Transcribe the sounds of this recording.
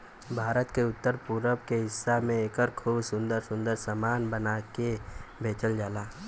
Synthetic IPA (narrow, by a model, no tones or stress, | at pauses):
bʱaːɾət̪keʊt̪ːəɾpuɾəbkeɦɪsːamẽeːkəɾkʰuːbsʊ̃nd̪əɾsʊ̃nd̪əɾsamaːnbənakebʱeːt͡ʃəld͡ʒaːlaː